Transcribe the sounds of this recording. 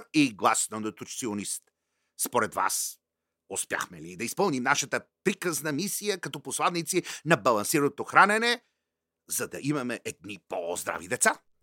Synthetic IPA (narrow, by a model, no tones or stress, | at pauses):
iɡlˠasnonət̪ut͡ʃt̪sionist̪ | spoɾɛd̪va̰s | ospja̰xmɛ̰lid̪ɐispəlˠnimnaʃət̪əpɾikəznɐmisijəkɐt̪ɔposlˠad̪nit̪sinɐbɐlˠɐnsiɾənot̪oxɾanɛnɛ | zɐd̪ɐ̰ʔimɐmɛʔɛd̪̚nipozd̪ɾa̰vid̪ɛt̪sa